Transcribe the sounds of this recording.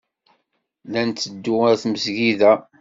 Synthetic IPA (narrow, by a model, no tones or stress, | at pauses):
lænt̪ːəd̪ːʊɾθməzʝiðæ